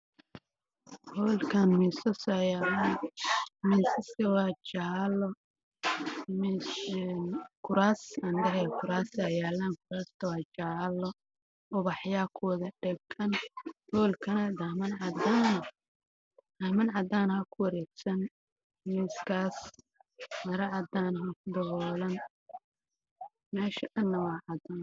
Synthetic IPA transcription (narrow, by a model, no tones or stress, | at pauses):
hɔːlkʰɐnmiːsɐsajaːlanmiːsɐst̪ɐwɑːt͡ʃaːlɔ | minkʰʊɾaːsɐnd̪ɐɦɛkʰʊɾaːsajaːlaːŋkʰʊɾaːst̪ʰɐwɑːt͡ʃaːlːɔ | ɔβɑħjaːkʰɔðɐɖɛɡɐnhɔːlkʰɐnɐd̪ɐmɐnʕɑd̪anɐ | d̪ɐmɐnʕɑd̪aːnhɐkʰʊwɐɾɛːɡsɐn | mɪskʰaːs | mɐɾɐʕɑd̪aːnɦɐkʰʊd̪ɐɣɔːlɐn | mɛːʃɐʔɐnːɐwɑːʕɑd̪an